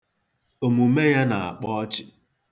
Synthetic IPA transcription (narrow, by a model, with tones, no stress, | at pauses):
o˨mu˨me˦ja˦na˨a̰˨k͡pɔ˦ɔ˦t͡ʃɪ˦